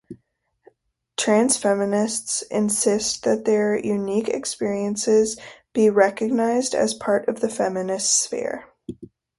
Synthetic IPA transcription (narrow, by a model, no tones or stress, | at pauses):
tʰɹ̥æ̃nz̥fɛmɨnɪstsɪ̰̃nsɪst̚ðɨt̪̚ðə˞jʔʉnikɨ̰kspɪɹiɨ̃nsɪzb̥iɹɛkɨɡ̚naɪzdɨ̰z̥pʰɑɹɾʌvðɨfɛmɨnɨstsfḭɹ